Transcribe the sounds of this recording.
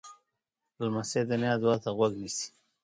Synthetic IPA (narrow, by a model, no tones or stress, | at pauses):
lamased̪anjɑd̪wat̪aɣwaɡnisi̥